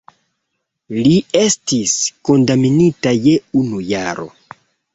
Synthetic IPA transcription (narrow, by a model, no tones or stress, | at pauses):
lie̞stisko̞ndaminitaje̞unujaɾo̞̰